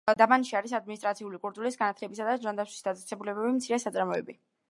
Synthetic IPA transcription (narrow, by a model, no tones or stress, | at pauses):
d̪amanʃiaɾisad̪̚minist̪ɾat̪sʰiulikʼuɾt̪ʼulisɡanat̪ʰlɛbisad̪ad͡ʒand̪atsʰwi̥sd̪at̪sʼɛsɛbulɛbɛbimtsʰiɾɛsat̪sʼaɾmɔɛ̰bi